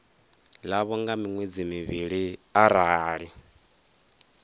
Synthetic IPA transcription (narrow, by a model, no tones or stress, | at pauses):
laβɔŋɡamiŋwed͡zimiβiɺiaɾaːɺi